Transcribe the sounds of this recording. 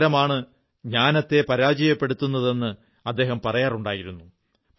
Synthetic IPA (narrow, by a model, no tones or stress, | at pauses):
ɾɐmaːɳɨ | ɲaːnɐt̪ːe̞pɐɾaːd͡ʑɐjɐpːe̞ɽut̪ːunːɐðe̞nːɨ | ɐd̪ːe̞ːɦɐmpɐrɐjaːruɳɖaːjiɾunːu